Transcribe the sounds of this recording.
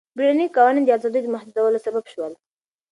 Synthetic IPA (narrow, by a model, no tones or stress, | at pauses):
biɽanikɑwɑnind̪əazɑd̪əjd̪əmʊhd̪uzawəlosababʃwəl